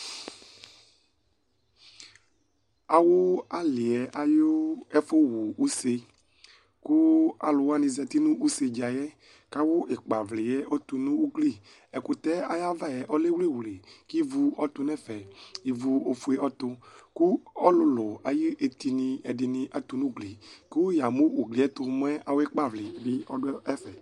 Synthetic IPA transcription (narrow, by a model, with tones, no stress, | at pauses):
a˨wo˦a˦lɪ˨ɛ˨ʔa˨jo˦ɛ˦fo˦wu˨u˦se˦ | ku˦a˨lʊ˨wa˦nĩ˧zɛ˨t̪i˦nũ˦ʔu˦se˧d͡ʒa˨jɛ˦ | ka˦wo˦ʔe˨k͡pa˨vlɪ˨jɛ˦ʔo˦t̪u˧nũ˦u˦kli˦˨ | ɛ˨ku˦t̪ɛ˦a˨ja˦va˦˨jɛ˨ʔɔ˦le˦wle˦˨wle˨ki˦vu˦ɔ˦t̪u˦nɛ˦fɛ˨i˨vu˨o˨fu˦e˦ɔ˦t̪ʊ˧ku˦ɔ˦lʊ˦lʊ˨a˨ji˦ʔe˨t̪i˨nĩ˧ɛ˨dɪ˨nĩ˨ʔa˨t̪u˨nũ˦ɡli˨ku˦ja˨mo˦wu˨ɡli˨˦ɛ˦t̪ʊ˧˨m˦ɛ˦a˨wo˦ɛ˦k͡pa˦˨vli˨bi˦ɔ˦dʊ˦ɛ˦fɛ˨